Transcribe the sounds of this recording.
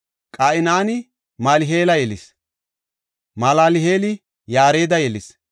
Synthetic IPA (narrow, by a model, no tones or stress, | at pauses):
kʼaːʔɪnaːnɪ | maːlɪɦeːlɐjɛlɪs | malaːlɪɦeːlɪ | jaːɾe̞ːd̪ɐjɛlɪs